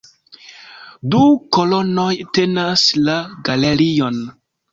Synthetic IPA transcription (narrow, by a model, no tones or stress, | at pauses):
dukolo̞no̞jte̞naslaɡaleɾion